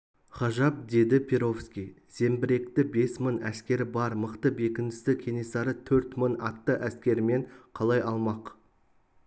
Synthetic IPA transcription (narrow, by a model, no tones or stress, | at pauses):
χɑʒɑp̚d̪e̞d̪ɪpʲʰeɾo̞fskʲij | se̞mbɪɾe̞kt̪ɪbe̞smənæ̰skʲe̞ɾɪbɑɾməqt̪əbe̞kʲɪnd̪ɪst̪ɪkʲʰe̞ne̞sɑɾət̪ʰɵɾt̪mənɑt̪ːəʔæskʲe̞ɾɪme̞ɴqʰɑlˠɑjɑlˠmɑq